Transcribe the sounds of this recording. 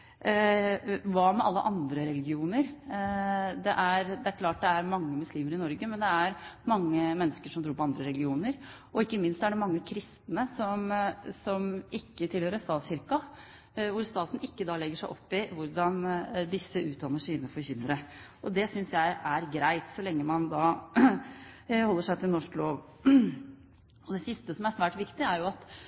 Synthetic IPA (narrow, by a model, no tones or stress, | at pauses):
ʋɑːmɛʔɑlːə̰ʔɑnd̪ɾəɾɛlɡɪuːnəɾ | d̪ɛʔæɾd̪ɛæɾkʰlɑːʈ̚d̪ɛæɾmɑŋːəmʉsliːməɾɪnɔɾɡəmɛnd̪ɛæɾmɑŋːəmɛnːəskəʂɔmt̪ʰɾuːɾpʰɔɑnd̪ɾəɾɛlɡɪuːnəɾ | ʔɔɪkːəmɪnst̪sæɖɛmɑŋːəkʰɾɪst̪nəsɔmsɔmɪkːət̪ʰɪlhøːɾəst̪ɑːt̪sɕɪɾkɑ | ʋʊɾst̪ɑːt̪n̩ɪkːəd̪ɑːlɛɡːəʂæɪʔɔpːɪʋʊɾɖɑnd̪ɪsːəʔʉːt̪̚d̪ɑnːəʂiːnəfɔɾçʏnəɾəʔɔd̪ɛsʏnsjæɪʔæɾɡɾæɪt̪sɔlɛŋːəmɑnd̪ɑː | hɔlːəʂæɪt̪ʰɪlnɔʂkloːʋ | ɔd̪ɛsɪst̪əsɔmæɾsʋæːʈʋɪkt̪ɪæɾjʊɑt̪